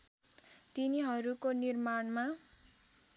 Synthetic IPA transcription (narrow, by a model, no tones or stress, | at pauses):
t̪iniɦʌɾukonirmaɳma